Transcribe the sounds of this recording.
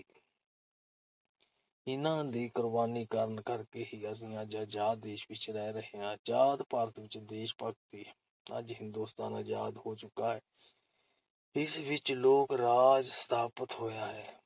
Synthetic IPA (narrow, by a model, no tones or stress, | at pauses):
ɪnãːd̪iːkʊɾʋaːniːkəɾənkəɾkeːɦiːəs̬ĩːãːd͡ʒaːd͡ʒaːd̪̚d̪eːʃʋɪt͡ʃɾɛːɾəɦeːãːt͡ʃaːd̪paːɾət̪ʋɪt͡ʃd̪eːʃpək̚t̪iː | əd͡ʒɦɪ̃nd̪uːst̪aːnaːjaːd̪ɦoːt͡ʃʊkaːɦɛː | ɪsʋɪt͡ʃloːkɾaːd͡ʒst̪ʰaːpət̪ɦoːjaːɦɛː